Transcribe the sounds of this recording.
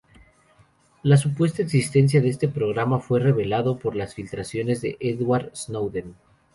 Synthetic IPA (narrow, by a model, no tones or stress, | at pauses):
las̬upwe̞st̪aeksist̪e̞ns̬jaðeest̪e̞pɾo̞ɣ̞ɾamafwe̞re̞βe̞laðo̞po̞ɾlasfilt̪ɾasjo̞ne̞zðe̞̰ʔeðwaɾznowðen